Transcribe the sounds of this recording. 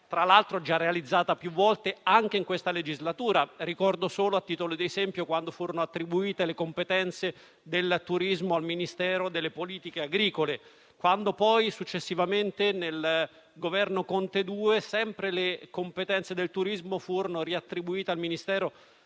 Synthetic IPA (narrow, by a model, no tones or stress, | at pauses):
t̪ɾalːalt̪ɾod͡ʒarːealid̪zːaːt̪apjuvːɔlt̪eaŋk̟eiŋkwest̪aled͡ʒizlat̪uːɾaɾikɔrd̪osoːloat̪ːiːt̪olod̪ezɛmpjokwand̪ofuːɾonoat̪ːɾibuiːt̪elekompet̪ɛnt̪se | d̪elt̪uɾizmoalminist̪ɛːɾod̪elːepoliːt̪ikeaɡɾiːkole | kwand̪opɔjsut͡ʃːesːivament̪enel | ɡovɛrnokont̪ed̪uːesɛmpɾelekompet̪ɛnt̪sed̪elt̪uɾizmofuːɾonoriat̪ːɾibuiːt̪ealminist̪ɛːɾo